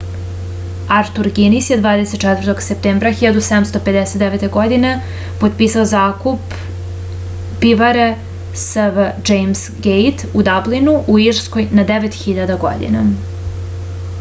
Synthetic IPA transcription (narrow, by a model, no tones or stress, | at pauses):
aɾt̪uɾɡinisjed̪vaːd̪eset̪t͡ʃɛt̪vərt̪o̞ɡsep̚t̪eːmbɾaxiʎad̪used̪amst̪o̞ped̪eset̪̚d̪eʋet̪eɡo̞d̪ine | pod̪piːsaozaːkup | biʋaɾe | səvd͡ʒejmsɡejt̪ud̪ablinuʔuiɾsko̞jnad̪eʋet̪xiʎad̪aɡo̰d̪ḭna